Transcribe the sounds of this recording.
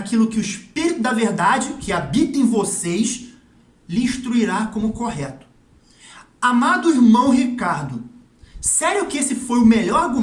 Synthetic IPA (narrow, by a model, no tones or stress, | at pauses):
kilʊkɪʊiʃpiɾit̪ʊd̪ɐveɾd̪ad͡ʒɪkʰɪabit̪ẽj̃vosejʃ | liĩʃt̪ɾuiɾakõmʊkoɦɛt̪ʊ̥ | amad̪ʊiɾmɐ̃w̃hikaɾd̪ʊ | sɛɾjʊkɪesɪfojʊmeʎɔɾaɾɡu